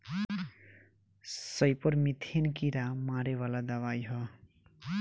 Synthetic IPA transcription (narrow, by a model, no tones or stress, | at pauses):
sʌjpʌrmit̪ʰenkiɾamaɾewalad̪ʌβajɦʌ